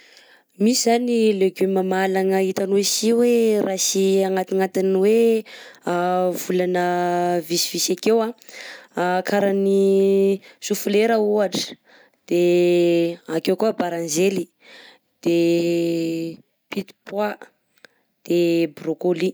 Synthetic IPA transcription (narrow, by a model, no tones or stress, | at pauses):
misizanileɡumamalaŋaɦit̪anwesiwerʔasiaŋat̪iŋat̪inwe | avulanəvisiv̥isakewa | akʰaɾani | sufuleɾəuaʈ͡ʂə̥ | d̪̥e | akewkuabaɾãnzeli | d̪̥e | pit̪i̥pwa | d̪̥ebrokoli